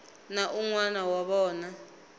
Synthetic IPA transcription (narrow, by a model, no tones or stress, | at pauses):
naʔuŋwanawaɓɔːna